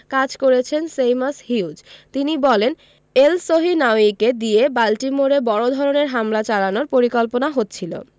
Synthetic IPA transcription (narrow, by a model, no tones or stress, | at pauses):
kad͡ʑkoɾet͡ɕʰensejmashiud͡ʑt̪inibɔlen | elsoɦinaoiked̪iebalʈimoɾebɔɽod̪ʱɔɾoneɾɦamlat͡ɕalanoɾpoɾikolponaɦot̪ːt͡ɕʰilo̰